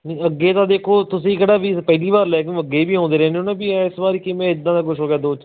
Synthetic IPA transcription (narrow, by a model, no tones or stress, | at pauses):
nːəɡːeːt̪ãːd̪eːkʰoːt̪ʊs̬ĩːkeɽaːbiːpəɦliːbaːɾlɛːkɪ̃əɡːeːbiːɦõːnd̪eːɾɛ̃ːneoːnãːbiɪsbaːɾikɪmẽːɪd̪ːãːd̪aːk̬ʊʃɦoːɡejaːd̪oːt͡ʃ